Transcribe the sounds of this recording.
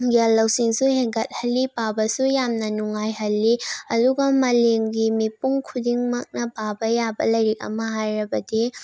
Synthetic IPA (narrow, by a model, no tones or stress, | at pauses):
ɡialːɐwsiŋsuheɡɐt̚hɐlːipabɐsujamnɐnuŋajɦɐlːiɐduɡɐmɐleŋɡimipuŋkʰudiŋmɐk̚nɐpabɐjabɐlɐjɾik̚ɐ̰mɐɦajɾɐbɐdi